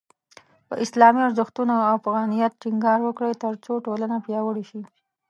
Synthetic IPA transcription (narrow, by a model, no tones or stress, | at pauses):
pə̰ʔɪslɑmiʊɾzɪxt̪unoawfaɣɑnijat̪̚ʈiŋɡɑɾwəkɽəjt̪əɾt͡soʈolanapjɑwəɽeʃi